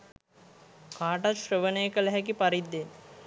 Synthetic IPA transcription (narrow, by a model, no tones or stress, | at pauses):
kaːʈaʃrəʋənəjəkəlɛɦɛkipaɾid̪ːen